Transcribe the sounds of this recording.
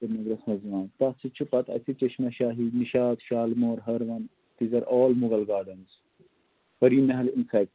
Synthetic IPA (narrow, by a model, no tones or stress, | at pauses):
ɐnɐɡɾɐsmɐzʋãːnt̪ɐsit͡ʃʰupɐt̪ɐ̰t̪ʰit͡ʃɐʃmɐʃaːɦiniʃaːd̪ʃaːlmoːɾɦɐɾʋɐn | t̪izɐɾʔɔːlmuɡɐlɡaːɾɖɐnz | fɐɾiːnɐɦɐlinsɐk